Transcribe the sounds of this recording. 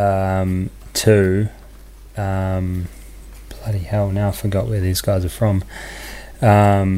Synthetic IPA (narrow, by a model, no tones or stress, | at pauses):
ʌ̃m | tʰʉ | ʌ̃m | b̥ʰl̥ʌɾihɛlˠnaʊaɪfəɡɑʔwə˞ðizɡaɪzə˞fɹʌ̃m | ʌ̃m